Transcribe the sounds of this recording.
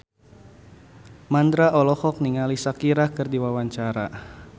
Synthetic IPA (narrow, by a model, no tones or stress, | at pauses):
mand̪ɾaʔɔlɔhɔk̚niŋalisakiɾahkɨrdiwawaɲt͡ʃaɾa